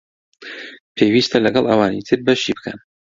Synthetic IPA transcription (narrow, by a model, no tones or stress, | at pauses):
pʰeːwiːst̪ʰɐlɐɡɐlˠʔɐ̰wɑːnit̪ʰɨɾbɐʃibɨ̥kʰɐ̰n